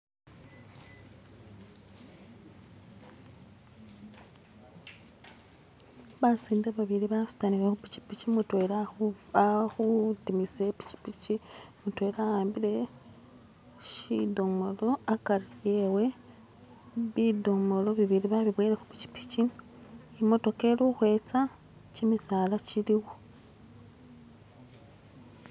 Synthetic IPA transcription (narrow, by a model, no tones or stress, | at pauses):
βasiːndaβaβiɾiβasu̥taniɾexupi̥ci̥picimutwelaaxutimisepi̥ci̥pit͡ʃimutwe̞ːɾajaːmbile̞ | ʃidomo̞lo̞akaɾije̞we̞ | βido̞mo̞lo̞βiβiɾiβaβiβweːɾexupi̥t͡ʃi̥pi̥t͡ʃiː | mo̞to̞ke̞luxwe̞ːt͡sa | t͡ʃimisalat͡ʃiliɣo